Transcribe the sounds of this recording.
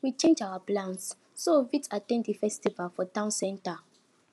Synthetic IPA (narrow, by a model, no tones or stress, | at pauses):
wit͡ʃẽnd͡ʒawaplãnsː | ovitatɛ̃nddifɛstivalfɔtãʊ̃nsɛ̃nta